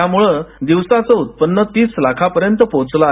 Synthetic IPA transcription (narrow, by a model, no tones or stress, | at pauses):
jamuɭəd̪iʋsat͡səut̪̚pənːət̪iːslakʰapəɾjənt̪əpot͡sla